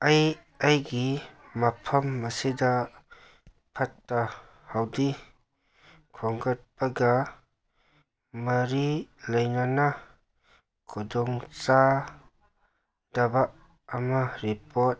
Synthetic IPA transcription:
aj | ajɡimapʰɐmːɐsida | pʰɐtːa | hawdi | kʰɔŋɡɐt̚paɡa | mɐɾilɐjnana | kʰudɔŋt͡sa | d̥ɐbaː | maɾipɔt̚

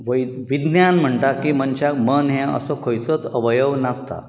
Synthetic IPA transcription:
ʋəjʋid̪njanm̤əɳʈ̪akiːmənt͡ɕakmənɦɛ̃ə̰sɔkʰojt͡sət͡səʋəjəʋnast̪a̰

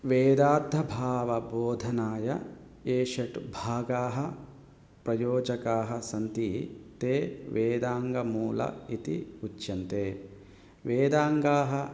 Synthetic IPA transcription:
ʋeːd̪aːd̪ʱːɐbʱaːʋɐboːd̪ʱɐnaːjɐ | eːʃɐʈbʱaːɡaːɦɐ | pɾɐjoːd͡ʒɐkaːɦɐsɐnt̪it̪eːʋeːd̪aːŋɡɐmuːlɐ̰it̪ḭut͡ʃːjɐnt̪eː | ʋeːd̪aːŋɡaːɦɐ

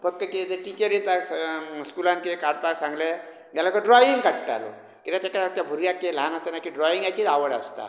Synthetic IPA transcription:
fəkːəked͡zəʈit͡ɕəɾilt̪askulãnkekaɾɖ̚paksãŋɡle | mjalakəɖɾɔiŋɡkaʈʈa̰lo̰ | kit̪at̪akaat̪jabʱuɾjakːelanəst̪anakiɖɾɔiŋɡajt͡ɕitaʋəɽa̰st̪a̰

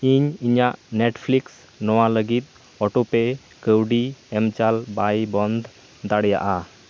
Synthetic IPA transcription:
iɲiɲaʔneʈpʰliks | nɔwaləɡit̪̚ˀ | ɔʈope | kəwɖiɛmt͡ʃalbajbɔnd̪ʱ | d̪aɽja̰ʔa

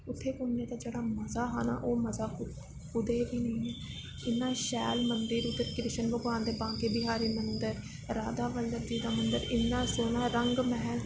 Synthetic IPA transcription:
ʊt̪ʰːeːkʊnːẽːt̪aːd͡ʒeːɽaːməzaːɦaːna̰ːʔoːməzaː | kʊd̪eːʋiːnəĩːɛ | ɪnːãːʃɛːlmənd̪ɪɾʊt̪ːəɾkɾɪʃənbəɡʋãːnd̪eːbãːŋkeːbɪɦaːɾiːmənd̪əɾ | ɾaːd̪aːʋəld̪əɾd͡ʒiːd̪aːmənd̪əɾɪnːãːsoːnãːɾəŋɡməɦɛn

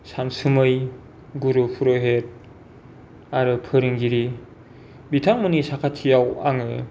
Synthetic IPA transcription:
sansɯmɯj | ɡuɾupʰuɾɯɦet̚ | aɾɯpʰɯɾɯŋɡiɾi | bitʰaŋmɯnisakʰatʰijawa̰ŋɯ

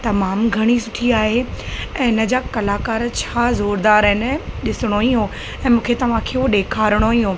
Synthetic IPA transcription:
t̪ɐmaːmɡʱɐɽ̃isʊʈʰiaːɦeɛ̃ːɪnə̆d͡ʑaːkɐlaːkaːɾt͡ɕʰaːzoːɾd̪aːɾɦɪnəɗɪsɪɽ̃oĩɦo | ɛ̃ːmũːkʰet̪ɐʋ̤ãkʰeːoɗeːkʰaːɾɪɽ̃oĩɦoː

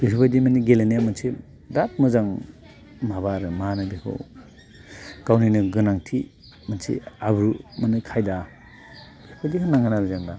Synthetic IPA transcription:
bisʰubajdimaniɡelenjamɯnsi | dat̚mɯzaŋ | maβaɾɯmanabekʰo̰ | kawninɯɡɯnaŋtʰi | mansʰḭabɾumanɯkʰajda | b̥ekʰodikʰanaŋɡɯnaɾuzaŋda

